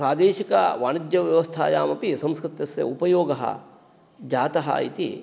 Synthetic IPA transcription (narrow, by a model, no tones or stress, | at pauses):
pɾaːd̪eːʃikɐʋaːnɐd̪jɐʋjɐʋɐst̪ʰa̰ːjaːmɐpisɐ̃mskɾɪt̪jɐsjɐ̰upɐjoːɡɐɦɐ̰ | d͡ʒaːt̪ɐɦɐ̰ḭt̪ḭ